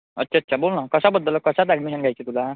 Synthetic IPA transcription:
ə̰tːɕʰaət̪ːɕʰabolnakəsabəd̪ːəlkəsat̪laɡmiɦanɡʱajt͡ɕit̪ula

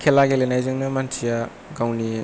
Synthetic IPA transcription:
kʰelaɡelenajzɯŋnɐmantʰija | ɡawni

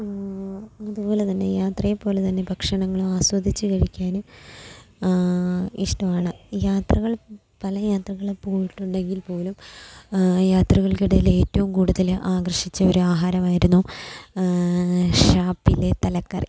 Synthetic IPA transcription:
ɐðupo̞ːle̞t̪ɐnːe̞̰jaːt̪rɐjepːo̞ːlet̪ɐnːe̞bʱɐkʂɐɳɐŋːɐɭumaːswɐd̪ʱit͡ɕːɨkɐɻikʲːaːnum | iʂʈɐmaːɳɨjaːt̪rɐɣɐɭ | pɐlɐjaːt̪rɐɣɐɭpːoːɻiʈːuɳɖe̞ŋɡilpo̞ːlum | jaːt̪rɐɣɐɭkiɽɐjile̞ːtːɐʋumkuːɽuðɐlʔaːɡrɐʂit͡ɕːɐoɾuaːɦaːɾɐmaːjiɾunːu | ʂaːpːilːet̪ɐlɐkːɐ̰r

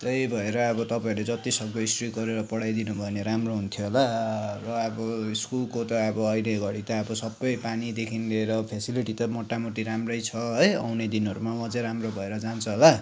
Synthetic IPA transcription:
t̪ejbʱʌeɾʌːbʌt̪ʌpaĩled͡zʌt̪isʌk̚bʌisʈriɡʌɾeɾʌpʌɽajd̪inubʱʌeneɾamroɦunt̪ʰjoɦolarʌʌbʌiskulkot̪ʌːbʌʌjleɡʱʌɽit̪aʌbʌsʌbːʌjpanid̪ekʰinleɾʌpʰesiliʈit̪ʌmoʈːamoʈiɾamrʌjt͡sʰʌɦʌja̰wned̪inɦʌɾumamʌ̃t͡sʌ̃ɾamrobʱʌeɾʌd͡zant͡sʰuɦola

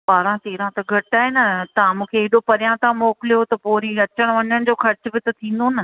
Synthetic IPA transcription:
paːɾãt̪eːɾãt̪ɐɡʱɐʈaːɦɪnɐt̪ãmũːkʰeːɦɗopɐɾijãt̪ʰãmoːkɪlijot̪ɐpoːɾiɐt͡ɕəɽ̃ʋɐɲəɽ̃d͡ʑoːxɐɾɪt͡ɕʊ̆bɪt̪ɐt̪ʰĩːn̆d̪onɐ

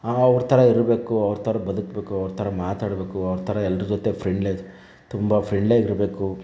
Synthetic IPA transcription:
ɐʋɐɾɐt̪ʰɐɾɐiɾɐbeːkuɐʋɐɾɐt̪ʰɐɾɐbɐd̪ukbe̞ːkuɐʋɐɾɐt̪ʰɐɾɐmaːt̪aːɽbe̞ːkuɐʋɾt̪ʰɐɾɐɛlːɐɾɐd͡ʒot̪epʰɾeɳɖle | t̪umbɐpʰɾeɳɖleːɡiɾbe̞ːku

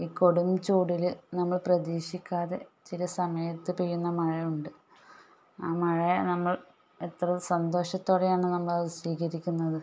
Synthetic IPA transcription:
iːko̞ɽumt͡ɕuːɽilnɐmːɐɭprɐd̪iːʂikʲːaːðe̞̰t͡ɕilɐsɐmɐjɐt̪ːɨpejːunːɐmɐɻɐjuɳɖɨ | aːmɐɻɐnɐmːɐɭ | et̪rɐsɐnd̪o̞ːʂɐt̪ːoːɽejaːɳɨnɐmːɐɭɐðɨsʋiːɣɐɾikʲːunːɐðɨ

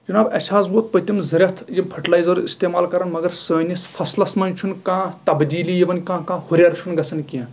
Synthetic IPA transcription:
d͡ʒɐnaːbɐsʰaːzʋoːt̪̚pɐt̪ʲimzɐɾʲɐt̪ʰjimpʰɐʈlaːjzɐɾḭst̪eːmaːlkɐɾɐnmɐɡɐɾsɐnʲisfʰɐslɐsmɐnʲt͡ʃʰunkãːt̪ɐbd̪iːlijiʋɐnkãːkãːhuɾʲaːɾt͡ʃʰunɡɐt͡sʰɐnkiɐ̃

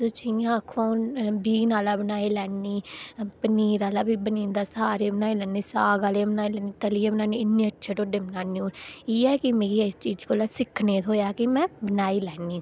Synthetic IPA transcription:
soːt͡ʃĩjãːəkʰːõːbiːnaːlaːbənaːiːlɛːniːpəniːɾaːlaːbiːbəniːnd̪aːsaːɾeːbənaːiːlɛːniːsaːɡaːlebənaːiːlɛːniːt̪əliːeːbənaːniːɪnːĩːətːʃʰeːʈoːɖeːbənaːniːũːiːɛːkɪmeːɡiːst͡ʃiːd͡ʒkoːlaːsɪkʰneːt̪ɦoːjaːkɪmɛ̃ːbənaːiːlɛːniː

